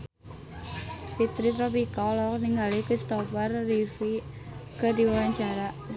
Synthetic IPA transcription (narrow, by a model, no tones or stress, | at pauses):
fit̪ɾit̪ɾɔpikɔlɔk̚niŋɡalikɾist̪ɔfɛrːifi | kədiwawaɲt͡ʃaɾaʔ